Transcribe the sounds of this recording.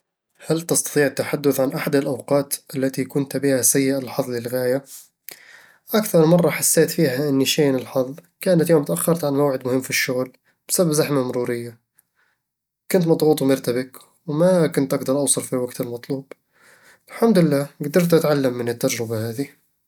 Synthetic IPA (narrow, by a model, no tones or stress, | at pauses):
halt̪ɑst̪ɑ̥t̪ˤiːʕɪt̪ːaħad̪ːʊθʕanʔaħad̪alʔawqɑːt̪ʔalːat̪ikʊnt̪bɪhasajːɪʔalħɑðˤlɪlɣaːja | ʔakθɑɾˤmɑrˤːɑħasːeːt̪fiːhaʔɪnːiʃeːnɪlħɑðˤkaːnat̪joːmt̪ʔaxːɑɾˤt̪ʕanmawʕɪd̪mʊhɪmːfiʃːʊɣl | b̥ɪsababzaħmamʊɾuːɾɪjːa | kʊnt̪mɑd̪ˤɣuːt̪ˤwmɪɾt̪abɪk | wmakʊnt̪ʔaɡd̪ɑɾˤʔɑwsˤɑlfiwaɡt̪almɑt̪ˤluːb | ɪlħamd̪ʊlɪlːaːɡad̪ɑɾˤt̪ʔat̪ʕalːamːɪnɪt̪ːad͡ʒɾɪbahaːði